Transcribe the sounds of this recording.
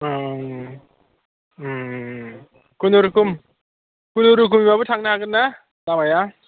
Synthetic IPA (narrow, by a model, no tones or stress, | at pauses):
kunoɾukum | kunoɾuk̬umimabɯtʰaŋnahaɡɯnːa | lamaja